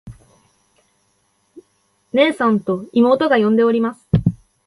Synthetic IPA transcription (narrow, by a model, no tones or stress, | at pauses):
ne̞ːsãnt̪o̞imo̞ːt̪o̞ɡajõ̞nd̪e̞oɾʲimasɨ̥